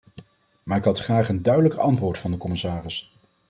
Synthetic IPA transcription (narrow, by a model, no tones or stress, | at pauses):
maːɪkɦɑtχraːχəndœɥdələkɑntʋʊːɹtfɑndəkɔmɪsaːrɪs